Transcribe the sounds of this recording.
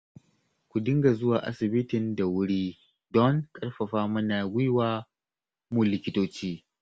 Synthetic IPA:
kʷu˨dɪ˦ŋɡa˨zʊ˦waː˨ʔa̰˦sɪ˨bɪ˦tɪ˨nda˨wʊ˦ɽiː˦ | dɔ˦ŋkʼɐ˦rɸɐ˨ɸaː˦mʊ˦naː˨ɡʷʊ˦jwaː˦ | mu˦lɪ˨kʲɪ˦toː˦t͡ʃiː˦

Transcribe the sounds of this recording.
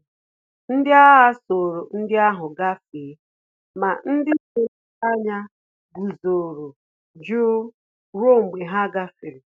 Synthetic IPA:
n̩˦dɪ˦a˦ɦa˦so˨ɾo˨n̩˦dɪ˦a˦ɦʊ˨ɡa˦fi˨˦ | ma˨n̩˦dɪ˦e˨˦a˦ɲa˦ | ɡu˨zo˨ɾo˨ | d͡ʒu˦ | ɾo˦˨ŋ͡m̩˨ɡ͡be˨ɦa˦ɡa˦fɪ˨ɾɪ˨

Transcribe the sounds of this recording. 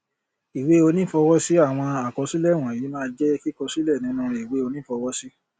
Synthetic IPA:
i˨we˦o˧nĩ˦fɔ˧wɔ˦si˦a˦˨w̃ɔ̃˧a˨kɔ˧si˦lɛ˦˨w̃ɔ̃˨i˨˦mãː˦˧d͡ʒɛ˦ki˦kɔ˧si˦lɛ˦˨nĩ˨˦nũ˦˧i˨we˨˦o˧nĩ˦fɔ˧wɔ˦si˦

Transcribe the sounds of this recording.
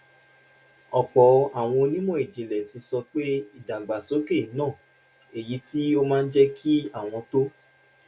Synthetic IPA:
ɔ˨k͡pɔ˨a˨w̃ɔ̃˧nĩ˦mɔ̃˦e˨d͡ʒĩ˨lɛ˨ti˧sɔ˧k͡pe˦i˦˨da˨ɡ͡ba˨so˨˦ke˦˨˦nãː˦˨ | e˨ji˨˧ti˦o˧mãː˦˧n̩˦d͡ʒɛ˦kʰi˦a˦˨w̃ɔ̃˧to˦

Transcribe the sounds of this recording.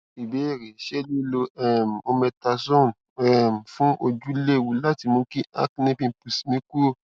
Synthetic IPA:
i˨be˨˦e˦˨ɾe˨˦ʃe˦lu˦lo˧ɛ˦˨m̩˨o˧mɛ̃˧ta˧sɔ̃˦n˨ | ɛ˦˨m̩˨fũ˦ʔo˧d͡ʒu˦le˦˨wu˨la˦ti˨˧mõ˨˧˦kĩ˦a̰˦knĩ˦bĩ˦˧˨pu˨smĩ˨˦ku˦˨

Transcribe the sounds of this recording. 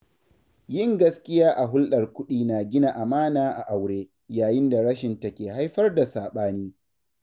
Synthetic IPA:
jɪ˦ŋɡɐ˦skʲɪ˦jaː˦ʔa˨ɦʊ˦lɗɐ˨rkʷʊ˦ɗiː˦na˨ɡʲɪ˦na˨ʔa˨maː˦naː˨ʔa˨ʔa˨wɽeː˦ | jaː˨jɪ˦nda˨ɽɐ˦ʃɪ˨ntɐ˦kʲeː˨ha˦jɸɐ˦rda˨saː˨ɓaː˦niː˦

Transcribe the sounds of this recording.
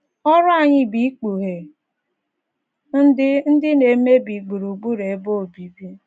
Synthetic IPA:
ɔ˦ɾʊ˦a˨ɲɪ˦bi˨˦k͡pu˨ɦe˨ | n̩˦dɪ˦n̩˦dɪ˦ne˨˦me˦bi˨ɡ͡bu˨ɾu˨ɡ͡bu˦ɾe˨˦bo˦o˨bi˨bi˦

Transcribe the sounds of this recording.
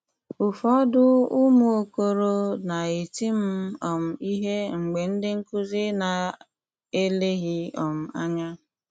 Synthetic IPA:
ʊ˨fɔ˦dʊ˦u˦mu˦o˦ko˦ɾo˦na˨e˨ti˦m̩˦ɔ˨m̩˨i˦ɦe˦ŋ͡m̩˨ɡ͡be˨n̩˦dɪ˦ŋ̩˦ku˦zi˦na˨ | e˦le˦ɣi˦ɔ˨m̩˨a̰˦ɲa˦

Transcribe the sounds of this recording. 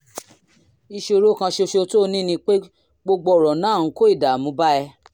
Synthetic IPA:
i˧ʃe˧ɾo˦kã˧ʃe˧ʃe˧to˦˧nĩ˦nĩ˧k͡pe˦ | ɡ͡bo˧ɡ͡bɔ˧˦˨ɾɔ̃˨nãː˦˨˦ko˦i˦˨da˨mũ˨˧˦ba˦ɛ˧

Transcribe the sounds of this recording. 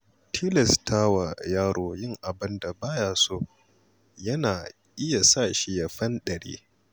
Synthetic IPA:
tʰiː˦lɛ˨stʰa˦wa˨jaː˦ɽoː˨jɪ˦ŋʔa˨bɪ˦nda˨baː˦jaː˨soː˦ | jɐ˦naː˨ | ʔɪ˦ja˨sa˦˨ʃi˦ja˨ɸɐ˦nɗɐ˨ɽḛː˦

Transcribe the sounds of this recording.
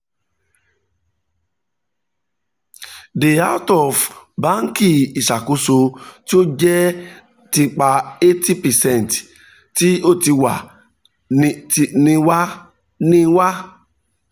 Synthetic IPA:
de˨a˦wtɔ˨vba˦ŋ˦ki˦i˨sa˨ku˦so˧ti˦o˦d͡ʒɛ˦ | ti˨k͡pa˨e˦ti˦pɛ˨sɛ˦˨n˨t | ti˦o˦ti˨wa̰˨ | ni˨wa˦ | nĩ˦wa˦

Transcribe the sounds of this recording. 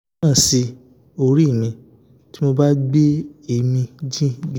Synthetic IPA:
si˧ | o˧ɾi˦˨mĩ˧ | ti˦mo˧ba˦ɡ͡be˦e˧˨mĩ˧d͡ʒĩ˦ɡ

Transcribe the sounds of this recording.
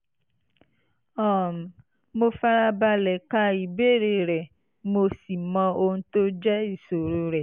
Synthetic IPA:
ɔ˦˨m˨ | mo˦fa˦ɾa˦ba˧lɛ˨ka˦i˨be˦ɾe˨ɾɛ˨ | mo˦si˨mɔ̃˦o˦n̩˦t̪o˦d͡ʒɛ˦i˨so˨ɾu˨˦ɾɛ˨

